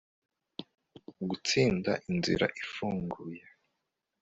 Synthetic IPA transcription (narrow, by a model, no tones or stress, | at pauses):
ɡut͡siːndaʔinzḭɾa̰ʔifuːŋɡuje